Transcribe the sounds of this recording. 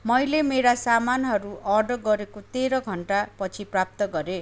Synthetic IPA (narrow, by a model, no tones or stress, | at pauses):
mʌjlemeɾasamanɦʌɾuʔʌrɖʌɡʌɾekot̪eɾʌɡʱʌɳʈapʌt͡sʰiprap̚t̪ʌɡʌɾe